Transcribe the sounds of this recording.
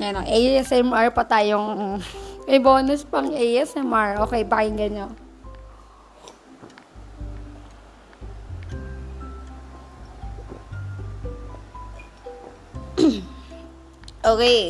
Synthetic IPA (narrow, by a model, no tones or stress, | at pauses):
mɛnoŋʔɛjɛsɛmaɹpɐt̪aːjoŋ | mɐjboːnʊspɐŋɛjʔɛsʔɛmaɹʔoːkɛjbahɪŋɡɐɲo | ʔoːkɛj